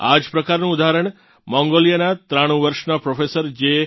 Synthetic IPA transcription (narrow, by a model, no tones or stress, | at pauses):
a̰d͡ʒpɾəkaɾnũːd̪aɦɾəɳ̃ | mɔ̃ŋɡolijənat̪ɾaɽ̃ũʋəɾʃnapɾofesəɾd͡ʒe